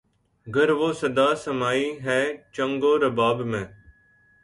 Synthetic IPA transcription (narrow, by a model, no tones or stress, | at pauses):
ɡəɾʋoːsəd̪aːsəmaːiːɦɛːt͡ʃəŋɡoːɾəbaːbmẽː